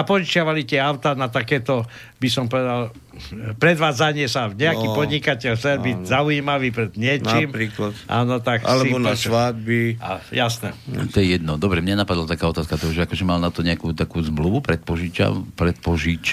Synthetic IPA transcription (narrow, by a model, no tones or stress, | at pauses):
apɔʒit͡ʃɪaʋalit̪ʲɛaʊt̪anat̪akɛːt̪ɔ | bisɔmpɔʋɛd̪al | pɾɛd̪ʋaːd͡zaɲɪɛsaɲɛakiːpɔd̪ɲikacɛlxt͡sɛlbizaujimaʋiːpɾɛd̪ɲɪɛt͡ʃimɾiːklat̪ʔa̰ːnɔt̪akasliɔnasʋad̪̚bia̰jasnɛ̰t̪ɔjɛjɛd̪nɔd̪ɔbɾɛmɲanapad̪lat̪akaːɔt̪aːskat̪ɔɦɔʒɛakɔʒɛmalnat̪ɔɲɛakuːt̪akuːzmluʋupɾɛt̪̚pɔʒit͡ʃa̰pɾɛt̪̚pɔʒit͡ʃ